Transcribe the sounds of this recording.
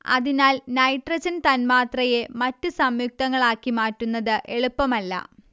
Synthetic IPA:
ɐ̰ðinaːlnɐjʈrɐɕɐnt̪ɐnmaːt̪rɐjemɐtːusɐmjuk̚t̪ɐŋːɐɭaːkːimaːtːunːɐðɨʔe̞ɭupːɐmɐlːɐ̰

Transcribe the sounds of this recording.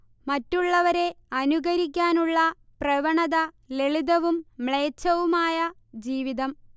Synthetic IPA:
mɐtːuɭːɐʋɐɾe̞ | ɐnuɣɐɾik̬ʲːaːnuɭːɐ | prɐʋɐɳɐðɐ | leɭiðɐʋumːɭe̞ːt͡ɕːɐʋumaːjɐ | d͡ʑiːʋiðɐm

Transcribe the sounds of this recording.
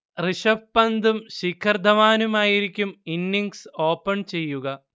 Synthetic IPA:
riʂɐfpːɐnd̪umɕikʰːɐrd̪ʱɐʋaːnumaːjiɾikʲːuminːiŋɡso̞ːpːɐɳt͡ɕe̞jːuɣɐ

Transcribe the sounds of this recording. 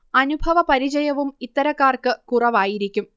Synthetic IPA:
ɐnubʱɐʋɐpɐɾit͡ɕɐjɐʋumit̪ːɐɾɐkːaːrkɨkurɐʋaːjiɾikʲːum

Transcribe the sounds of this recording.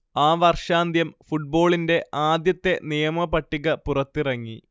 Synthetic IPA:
aːʋɐrʂaːnd̪ʱjɐmfuʈ̚bo̞ːɭinde̞ʔaːd̪jɐt̪ːe̞nijɐmɐpɐʈːiɣɐpurɐt̪ːirɐŋːi

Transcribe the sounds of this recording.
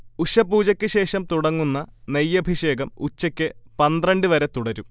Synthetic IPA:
uɕɐpːuːt͡ɕɐkʲːɨɕe̞ːʂɐmt̪uɽɐŋːunːɐnejːɐbʱiɕe̞ːɡɐmut͡ɕːɐkʲːɨpɐnd̪rɐɳɖɨʋɐɾe̞t̪uɽɐɾum

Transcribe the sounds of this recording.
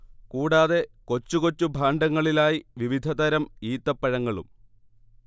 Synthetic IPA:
kuːɽaːðe̞ko̞t͡ɕːuko̞t͡ɕːubʱaːɳɖɐŋːɐɭilaːjiʋiʋid̪ʱɐd̪ɐɾɐmiːt̪ːɐpːɐɻɐŋːɐɭṵm

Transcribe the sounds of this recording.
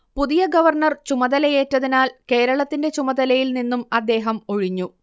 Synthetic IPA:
puðijɐɡɐʋɐrɳɐrt͡ɕumɐðɐlɐje̞ːtːɐðinaːlke̞ːɾɐɭɐt̪ːinde̞t͡ɕumɐðɐlɐjilninːumɐd̪ːe̞ːɦɐmo̞ɻiɲːu

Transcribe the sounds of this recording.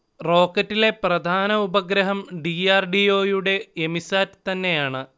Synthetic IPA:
ro̞ːkːɐtːile̞prɐd̪ʱaːnɐubɐɡɾɐɦɐmɖiaːrɖio̞ːjuɽe̞ːmisaːɾt̪ɐnːe̞jaːɳɨ

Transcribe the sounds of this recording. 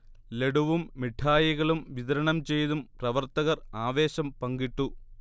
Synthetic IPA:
le̞ɽuʋumːiʈʰaːjiɣɐɭumʋiðɐɾɐɳɐmt͡ɕe̞jt̪umprɐʋɐrt̪ɐɣɐraːʋe̞ːɕɐmpɐŋɡiʈːu

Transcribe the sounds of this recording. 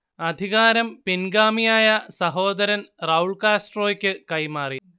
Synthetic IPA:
ɐd̪ʱiɣaːɾɐmpinɡaːmijaːjɐsɐɦo̞ːd̪ɐɾɐnrɐːuɭkaːsʈroːkʲːɨkɐjmaːri

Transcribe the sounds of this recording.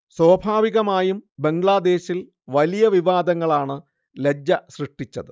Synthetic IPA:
swoːbʱaːʋiɣɐmaːjumbe̞ŋɡɭaːd̪e̞ːɕil | ʋɐlijɐʋiʋaːd̪ɐŋːɐɭaːɳɨ | le̞d͡ʑɐɕrɨʂʈːit͡ɕːɐðɨ

